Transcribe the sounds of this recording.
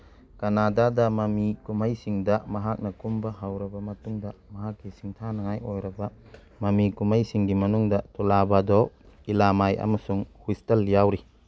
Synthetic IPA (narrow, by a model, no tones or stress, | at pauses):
kɐnadadɐmɐmikumɐjsiŋdɐmɐɦak̚nɐkumbɐɦɐwɾɐbɐmɐtuŋdɐmɐɦakːisiŋtʰanɐŋajʔojɾɐbɐ | mɐmikumɐjsiŋɡimɐnuŋdɐtulabadɔ | ilamajʔɐ̰mɐsuŋhustɐljawɾi